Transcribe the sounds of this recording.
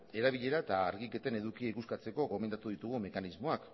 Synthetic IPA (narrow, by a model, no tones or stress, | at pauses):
e̞ɾaβiʎe̞ɾaet̪aːɾɣike̞t̪ene̞ðukieikuskat͡se̞ko̞ɣo̞me̞nd̪at̪uð̞it̪uɣume̞kanizmo̞ak